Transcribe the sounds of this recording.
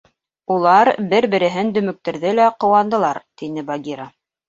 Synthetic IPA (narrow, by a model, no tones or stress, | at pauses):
ulˠɑɾbɘɾbɘ̆ɾɘ̆ɦɘnd̪ɵ̆mɵ̆k̚t̪ɘ̆ɾðɘlæqŏwɑnd̪ɤ̆lˠɑɾt̪inɘbaɡʲiɾa